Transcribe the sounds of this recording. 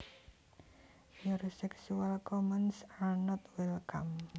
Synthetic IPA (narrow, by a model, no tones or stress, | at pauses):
ɲuɾisɛksualkɔmənsalnɔt̪wɛlkam